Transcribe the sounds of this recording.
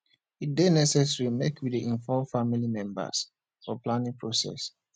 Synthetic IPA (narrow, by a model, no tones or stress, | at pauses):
idenɛsɛsɹimekʰwidiʔĩnfɔfamilimɛ̃mbə̰s | fɔplãnĩŋpʰɹosɛ̰s